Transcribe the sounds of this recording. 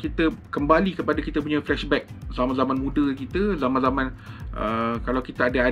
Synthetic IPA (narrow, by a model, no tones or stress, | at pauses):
kit̪əkəmbalikəpadakit̪əp̬uɲaflɛʃbɛk̚zamãnzamanmũdəkit̪əzamanzamãnʔə̰kalawkit̪aadaa